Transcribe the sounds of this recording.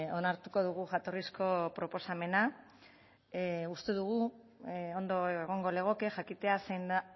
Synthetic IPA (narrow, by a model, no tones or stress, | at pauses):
o̞naɾt̪uko̞ðuɣ̞uʝat̪o̞risko̞pɾo̞po̞same̞na | ust̪e̞ðuɣ̞u | o̞nd̪o̞eeɣ̞o̞ŋɡo̞le̞ɣ̞o̞ke̞ʝakit̪e̞asejnd̪a